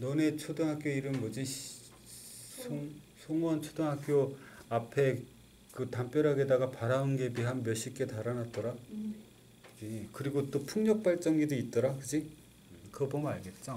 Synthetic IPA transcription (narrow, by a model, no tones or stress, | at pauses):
none̞t͡ɕʰodɯŋɦak͈joiɾɯmmʌd͡ʑi | sʰoŋsʰoŋwʌnt͡ɕʰodɯŋɦak͈joapʰe̞ | kɯtamp͈jʌɾɦaɡe̞daɡapaɾaunɡe̞biɦanmjʌɕ͈ik͈e̞taɾanat̚t͈ʌɾa | ikɯɾiɡot͈opʰuŋɲʌk̚p͈aɭt͡ɕ͈ʌŋidɯit̚t͈ʌɾakɯd͡ʑi | kɯbʌmnaɭɡe̞t̚t͡ɕ͈o